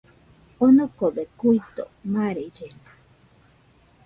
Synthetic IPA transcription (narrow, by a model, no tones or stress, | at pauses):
onokobekujt̪o̰maɾed͡ʒena